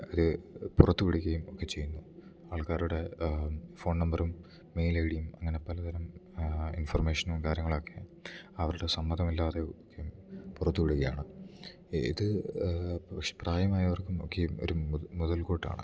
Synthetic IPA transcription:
ɐðɨpurɐt̪ːupiɽuɣɐjumo̞kːe̞t͡ɕe̞junːu | aːɭkaːɾuɽe̞ | fo̞ːɳnɐmbɐrumː | e̞jlɐjɽijumɐ̰ŋːɐne̞pɐlɐt̪ʰɐɾɐmḭnfɐrme̞ːʂɐnumkaːɾjɐŋːɐɭoːkːeɐʋɐɾuɽe̞sɐmːɐd̪ɐmilːaːðeokːejumpurɐt̪ːupiɽuɣɐja̰ːɳɨ | ḭðɨ | pɐkʂe̞praːjɐmaːjɐʋɐrkːumo̞̰kːejumo̰ɾumuðɐlkoːʈːa̰ːɳɨ̰

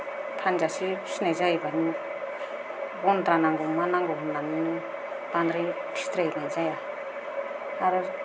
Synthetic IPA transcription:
tʰanzasisnajzajbani | ɡɔnt̪ɾanaŋɡɔŋmanaŋɡɔɦunːaninɯ | b̥andɾi | tʰist̪ɾajnajzaja | aɾɯ

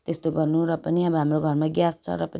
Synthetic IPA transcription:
t̪est̪oɡʌrnuɾʌpʌniʌbʌɦamroɡʱʌrmaɡjast͡sʰʌ̰ɾʌpʌn

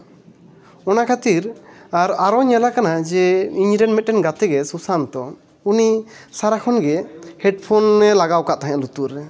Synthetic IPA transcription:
ɔnakʰat̪iɾaɾaɾɔɲɛlakanad͡ʒɛiɲɾɛnmɛt̪̚ːɛnɡat̪ɛɡɛsusant̪ɔ | uni | saɾakʰɔnɡɛhɛɖpʰɔnːɛlaɡawkaʔt̪aɦɛ̃ʔlut̪uɾɛ

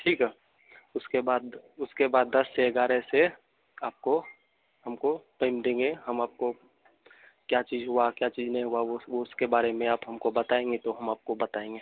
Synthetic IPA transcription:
ʈʰiːkɦɛ | ʊskebaːd̪ʊskebaːd̪ːɐsːeɡaːɾɛse | aːp̚ko | ɦɐmkopeɪmd̪ẽːŋɡeɦɐmaːp̚ko | kjat͡ʃiːzɦʊakjat͡ʃiːznɐɦĩɦʊaoʋoʊskebaːɾemẽaːpɦɐmkobɐt̪aːẽːŋɡet̪oɦɐmaːp̚kobɐt̪aːẽːŋɡeː

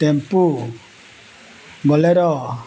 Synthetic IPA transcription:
t̪empu | ɡɔlɛɾɔ

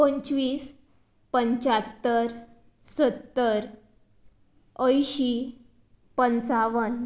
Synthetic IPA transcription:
õɲt͡ɕʋiːs | pəɲt͡ɕat̪ːəɾ | sət̪ːəɾ | əjɕi | pənt͡saʋən

